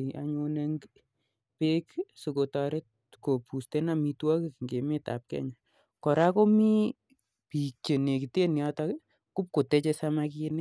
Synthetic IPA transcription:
a̰˨ɲo˧ne˦ŋ | pe˦ksu˨ko˨ta˨ɾe˦t̚ | ko˨pu˨ste˦na˨mi˧twɔ˦kikŋɡe˨me˦ta̰˨p̚kɛ̰˦ɲa˨ | kɔ˨ɾa˦ko˦mi˦ | pi˨t͡ʃe˨ne˨ki˨te˦n˨a˦ta | kʊ˦p̚ko˨te˨˦t͡ʃe˧sama˧kine˦

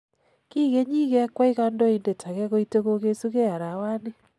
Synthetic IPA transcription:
ki˦ɣe˦ɲi˦ɣɛ˦kwa˦iɣa˦ndɔ˦i˦nde˨tʰa˨ɣɛɣo˦iteɣo˦ɣe˦su˦ɣe˦a˨ɾa˨wa˦ne˦

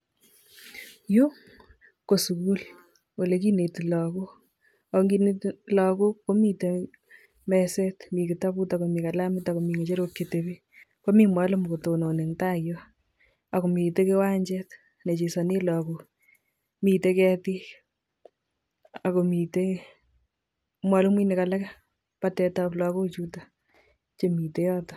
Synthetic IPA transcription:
ju˦ | ko˨su˨ku˦l | wo˨le˨k̬i˦ne˨ti˨lɔ˨ku˦ | a˨˦ŋɡi˦ne˦tlɔ˨kuː˦o˦mi˦te˦ | mɛsɛtmi˨kɪ˨ta˦pu˦ta˨ko˨mi˨ka˨la˦mɪ˦ta˨ko˨mi˨ŋe˨t͡ʃe˦ɾokjetebi˦ | ko˦mi˦mwa˨˦lo˦m˨ko˨to˨no˨ne˨ŋta˦jɔ˦ | a˨ko˨mi˨te˦ke˦wa˦ɲt͡ʃɛt | ne˨t͡ʃi˨sa˨ni˦lɔ˨ku | mi˨te˦kɛ˧ti˦ | a˨ko˨mi˨te | mwa˦lo˦mwi˦ne˨ka˨la˦k | patɛ˨taplɔ˧ko˦t͡ʃu˦ta | t͡ʃe˨mi˨te˦jɔː˦tɔ̥

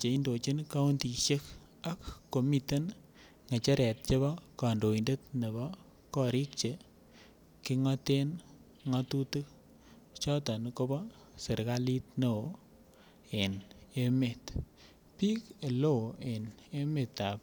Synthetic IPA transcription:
t͡ʃe˨i˦ndo˨t͡ʃe˦nka˦u˦ndi˨ʃe˦k | a˦kːo˨mi˨te˦n | ŋe˨t͡ʃe˦ɾɛ˨t̚t͡ʃe˦βɔ˦ka˨ndo˨inde˦t̚ne˨bɔ˦ | kɔ˦ɾi˦k̚t͡ʃe˨ | ki˦ŋɔ˦te˦n | ŋɔ˦tu˦tɨ˦k̚ | t͡ʃɔ˦tɔ˨nko˦bɔ˦ | se˨ɾɡa˦li˦tno˨ | e˨ne˦me˨t | pi˦ke˨lo˦e˨ne˦me˨ta˨p̚

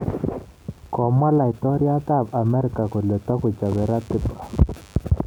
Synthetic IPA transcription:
kɔ˨ma˦la˨i˨tɔ˦ɾja˦ta˦˨ba˨mɛ˦ɾɪ˨ka˨kɔ˨lɛ˨t̪a˦kʊ˨t͡ʃa˨βɛ˨ɾa˦tɪ˦pḁ˨

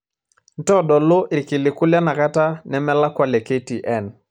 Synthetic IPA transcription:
n̩˦tɔ˦ɗɔ˨lʊ˦ʔɪ˨kɪ˨lɪ˨kʊ˦lja˦na˨ka˦ta˦nɛ˨mɛ˦la˦kwa˨lɛ˨ke˦ti˨ʔɛ˦˨n

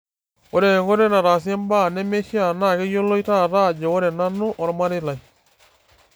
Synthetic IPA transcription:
o˦ɾe˨ŋɡo˦ɾe˦na˨ɾa˨s̬jɛ˦mba˦˨nɛ˦me˦ʃi˦a˨na˦˨ke˦jo˦lo˦i˦ta˦˨ɾa˦˨d͡ʒe˨o˦ɾɛ˨na˦no˦ʔɔ˨ɾma˦ɾɪ˦la˨j

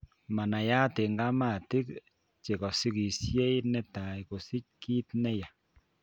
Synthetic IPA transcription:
ma˨na˨ja˦te˨ŋɡa˦ma˦˨ti˦k | t͡ʃe˨kɔ˨si˦ki˨sje˦i˦nɛ˦ta˨jko˨si˦c̚ki˦tnɛ˦ja˨

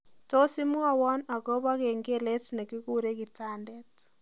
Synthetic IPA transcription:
to˦si˦mwa˦wɔ˦na˨kɔ˦βa˦ke˨ŋɡe˦le˦tne˨ki˦ku˦ɾe˦ki˨ta˦ndɛ˦t

